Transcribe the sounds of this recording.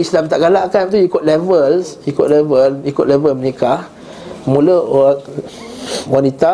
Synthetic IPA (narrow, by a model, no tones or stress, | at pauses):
islamt̪aʔɡalaʔkant̪ujikʊt̪̚lɛvəlsjukʊʔ̪̚lɛvəljikʊʔ̪lɛvəlməneka | mulə | wanit̪a